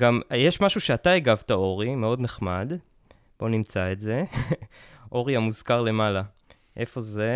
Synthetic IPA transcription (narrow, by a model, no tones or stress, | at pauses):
ɡamjeʃmaʃuʃe̞ataeɡavtao̞ʁime̞o̞dne̞χmad | b̥o̞nimt͡saetze̞ | ʔo̞ʁiamuzkaʁle̞mala | ʔe̞fo̞ze